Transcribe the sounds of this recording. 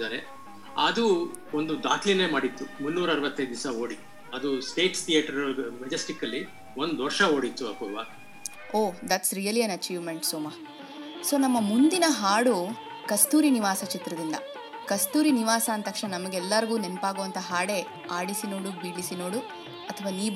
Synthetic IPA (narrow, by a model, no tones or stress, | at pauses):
d̪aːɾe | ɐd̪u | ond̪ud̪a̰ːkline̞ːmaːɽit̪ːumunːuːɾɐɐɾʋɐt̪ːɐjd̪d̪isɐoːɽit̪ːu | ɐd̪usʈe̞ːʈst̪ʰijaːʈːɐɾmɛd͡ʒɐsʈikːɐlːi | o̞nd̪ʋɐɾʃɐo̞ːɽit̪ːuɐkɔːʋaː | oːd̪ɐʈsɾijɐliɐnɐt͡ʃiːʋmeɳʈsoːmɐ | so̞ːnɐmːɐmund̪inɐɦaːɽu | kɐst̪uːɾiniʋaːsɐt͡ʃit̪ɾɐd̪ind̪ɐ | kɐst̪uːɾiniʋaːsɐːnt̪ɐkʂnɐnɐmɐɡeɛlːɐɾiɡuːnempaːɡoʋɐnt̪ʰɐɦaːɽe̞ | aːɽisino̞ːɽubiːɽisino̞ːɽu | ɐt̪ʰɐʋaːniː